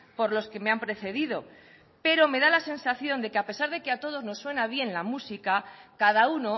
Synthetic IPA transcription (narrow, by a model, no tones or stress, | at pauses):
po̞ɾlo̞ske̞me̞ampɾe̞θe̞ðið̞o̞ | pe̞ɾo̞me̞ðalase̞nsaθjo̞nd̪e̞keape̞saɾðe̞keat̪o̞ð̞o̞zno̞sːwe̞naβ̞je̞nlamusikakaðauno̞